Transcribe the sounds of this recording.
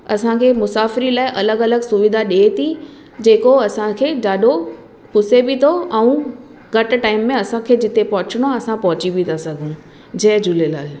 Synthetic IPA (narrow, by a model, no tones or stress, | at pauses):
ɐsãkʰeːmʊsaːfɪɾilaːɪʔɐləɡɐləɡsʊʋɪd̪ʱaɗet̪ʰi | d͡ʑeːkoɐsãkʰeːd͡ʒaːɗo | pʊsebit̪ʰoɐũ | ɡɐʈʈaːɪmːẽɐsãkʰeːd͡ʑɪt̪epɐɦʊt͡ɕɪɽ̃oɐsãpɐɦʊt͡ɕibʱit̪ʰasɐɡʱũ | d͡ʑɐɦd͡ʑʊlela̰ːl